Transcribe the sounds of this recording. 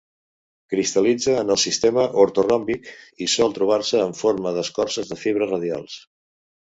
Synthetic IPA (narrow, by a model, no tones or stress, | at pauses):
kɾist̪əlid͡zəːnəlˠsist̪eməʔuɾt̪urɔmbikisɔlˠt̪ɾuβ̞arsəːɱfoɾməðəskɔrsəzðəfiβ̞ɾərəð̞ja̰lˠs